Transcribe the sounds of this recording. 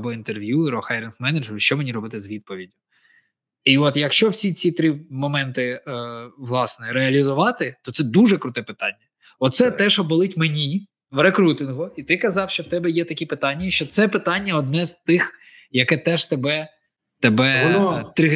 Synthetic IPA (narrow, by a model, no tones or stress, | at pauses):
bɔint̪erʋʲjuɪɾɔxajɾʲɪnxmɛnɐd͡ʒɛɾʊʃt͡ʃɔmenʲiɾɔbɪt̪ɪzʋʲid̪̚pɔʋʲidʲʊ | iɔt̪jɐkʃt͡ʃɔwsʲit͡sʲit̪ɾɪmɔmɛnt̪ɪ | ʋlˠɑsnɛɾeɐlʲizʊʋɑt̪ɪt̪ɔt̪sɛd̪uʒɛkɾʊt̪ɛpɪt̪ɑnʲːɐ | ɔt̪sɛt̪ɛʒɔbɔlˠɪtʲmenʲi | ʋrekɾut̪ɪnɦʊit̪ɪkɐzɑwʃt͡ʃɔwt̪ɛbɛjɛt̪ɐkʲipɪt̪ɑnʲːɐʃt͡ʃɔt̪sɛpɪt̪ɑnʲːɐɔd̪nɛzt̪ɪx | jɐkɛt̪ɛʒt̪ebɛ | t̪ebɛt̪ɾɪ